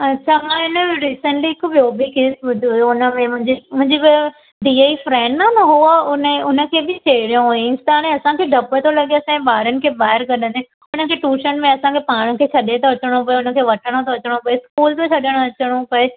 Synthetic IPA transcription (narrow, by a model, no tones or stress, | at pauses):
ɐʃʰamãɪnəɾiːsə̃ɳʈliɪkʊbioːbikeːsbʊd̪ʱioʊnə̆mẽmʊ̃ɦɲd͡ʑimʊ̃ɦɪ̃ɲd͡ʑib | ɖiːeifɾɛ̃ːɳɖnamãɦuəʊnʊnə̆kʰeːbɪt͡ɕeːɪɽijõɦuest̪aːɽ̃ẽɐsãkʰeːɖ̪ʱɐpət̪ʰolɐɠeɐsãbaːɾənɪ̆kʰeːbaːɦɪɾkɐɗə̃nd̪ẽ | ʊnəkʰeːʈuːʃəɽmẽɐsãkʰepaːɽ̃əkʰeːt͡ɕʰɐɗet̪ɐɐt͡ɕəɽ̃õp̬ɐeʊnə̆kʰeːʋɐʈʰəɽ̃ot̪ʰɐɐt͡ɕəɽ̃opɐeskuːlt̪ot͡ɕʰɐɗəɽ̃õɐt͡ɕəɽ̃õpɐe